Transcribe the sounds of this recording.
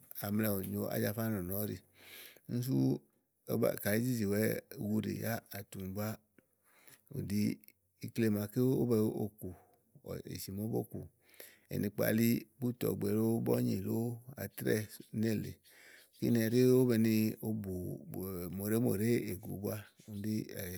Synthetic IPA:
a˨mlɛ˨o˨ɲo˧ʔa̰˨˦d͡ʒa˨fa˦nɔ˨nɔ˨˦ɾḭ˧ | n̩˦s̬u˦ | ba̰˨ka˨li˦d͡ʒi˦d͡ʒi˨wɛ˦ɡu˦ɾḛ˨ja˦a˨tu˨m˨bu˦a˦ | o̰˨di˨ | i˨kle˦ma˨ke˦o̰˦bɛ˧˦o̰˦ku˨ | ḛ˨si˨mo˦bo̰˦ku˨ | ḛ˨nĩ˨k͡pa̰˨li˦bu˦tɔ̰˨ɡ͡be˨lo˦bɔ̰˦ɲi˨lo˦a̰˨tɾɛ˦ne˦˨lḛ˨ | kḭ˦nɛ˨ɾe˦o˦bɛ˧ni˧o˦bu˨ | mo˨ɾe˦mo̰˨ɾe˦e˨ɡu˨˦bu˦a˦u˨˦di˦˨

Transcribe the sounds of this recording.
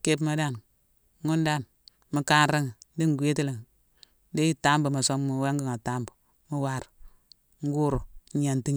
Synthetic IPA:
ke˦pma˦da˦˨n˦ | ŋu˦n˦da˦˨n | mi˨ka˦nɾi˦ŋ˨˦di˦ŋ˨ɡʷe˦ti˦li˨ŋ˨˦ | de˦ji˦ta˦mbu˨ma˨so˦mmu˨we˦ŋɡi˦ŋa˨ta˦mbu˨ | mu˦wa˦˨ɾ | ŋ̩˦ɡu˦ɾu˨˦a˨nti˦ɲ˨

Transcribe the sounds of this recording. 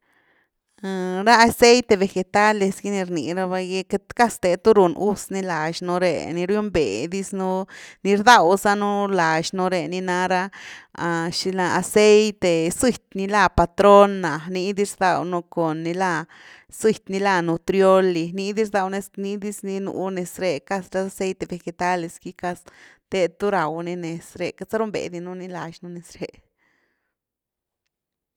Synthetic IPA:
a˧ɾa˦a˧se˦jt̪e˧βe˨xe˧t̪a˦lːe˧sɡi˦ni˧ɾnḭ˨ɾa˧βa˧jɡe˧ke˧t̪ka˦st̪e˧t̪u˦ɾu˨nu˦sni˧la˨ʃnu˧ɾḛ˨ni˧ɾju˦mbḛ˨d̪i˦snu˧ni˧ɾd̪a˧wsa˦nu˦la˨ʃnu˧ɾe˨ni˧na˧ɾa˦˧a˧ʃi˧la˧a˨se˦jt̪e˨si˧˨t̪̚ʲni˧la˧pa˧t̪ɾo˦nːa˨ni˧d̪i˦ɾd̪a˧wnu˧ko˨nːi˧la˧ | swi˧˨t̪ʲni˧la˧nu˧t̪ɾjo˦li˧ni˧d̪i˦ɾd̪a˧wne˧sni˧d̪i˦sni˧nṵ˧˦ne˨sɾe˧ka˧sɾa˧˦sa˧se˦jt̪e˧˨be˧xe˧t̪a˦le˧ski˧ka˧s | t̪e˧t̪u˦ɾa˨wni˧ne˨sɾḛ˧ka˧sa˦ɾu˦mbḛ˨d̪i˧nu˧ni˧la˨ʃnu˧ne˨sɾe˧

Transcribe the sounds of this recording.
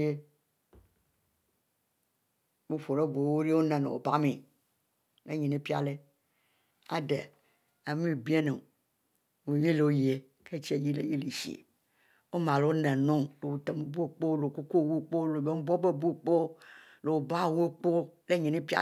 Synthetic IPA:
e˦ | mo˦fo˨ɾe˦bu˨wo˦ɾe˦wo˦nã˨nḛ̃˨wo̰˨ba˦me˨ | lḛ˦ɲĩ˨nẽ˦pi˦a̰˨le˦ | a˨de˨ | a˨mĩ˦˨bi˦e˦nẽ˨ | we˨ji˦le˨wo˦ji˨e˨ | kʰe˦t͡ʃi˦e˨ji˦lḛ˨ji˦li˨ʃḭ˨ḛ˨ | wo˦mã˨lo˦wo˦nẽ˨nõ˦lo˨wo˨t̪e˨me˨bu˦e˦˨k͡po˦lo˨ko˦ko˦˨wu˦˨k͡po˦lo˨be˦bɔ˦be˦bu˦˨k͡po˦ | lo˨wo˨ba˦˨wu˦k͡po˦le˦ɲĩ˨nẽ˦pi˦a̰˦

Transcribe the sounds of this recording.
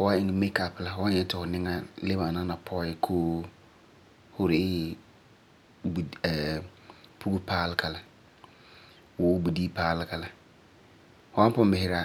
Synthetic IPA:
hʊ˨wa˦ɪ˨ŋ˨me˦ka˨pla˨hʊ˨wa˦ɲɛ˨˦tɪ˨hʊ˨nɪ̃˦ŋa˦le˦bã˨nã˦nã˨pʰɔ˦ɪ˦kʰoː˦ | hʊ˦ɾɪ˨ɪ˦ | bɛ˨ | pʰu˦ɡu˦pʰaː˦lɪ˦kʰa˨la˨ | wʊ˨˦wbu˨di˦pʰaː˦lɪ˦ka˨la˨ | hʊ˨˦ã˦m˦pʊ̃˦mbɪ˨hɪ˨ɾa˦

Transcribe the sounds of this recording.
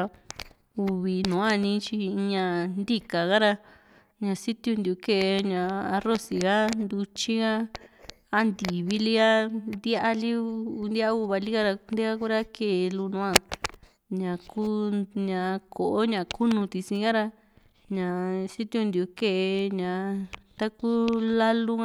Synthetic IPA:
u˧βi˨nũ˨˦a˦˨˧nĩ˧˦t͡ʃi˧ɲã˧nd̪i˦ka˨ɣa˦ɾa˧ | ɲã˧si˦t̪u˧nd̪i˧u˧ke˦˧ʔɲã˨˧a˧ro˦si˨ɣa˦nd̪u˧t͡ʃi˦ɣa˦ | a˦nd̪i˨βi˦li˦a˦nd̪ja˦ʔa˦li˦u˧nd̪ja˦u˦˧βa˧li˦ɣa˦ɾa˧nd̪e˦ɣa˦ku˦ɾa˦ke˨˧lu˧nũ˧˦a˧ | ɲã˨ku˦ɲã˨˧kʰo˨ʔo˦ɲã˨ku˦nũ˧t̪i˧sĩ˧ɣa˦ɾa˧ | ɲã˨si˦t̪ju˧nd̪i˧u˧ke˦ʔe˧ɲã˨t̪a˦ku˦la˦lu˦

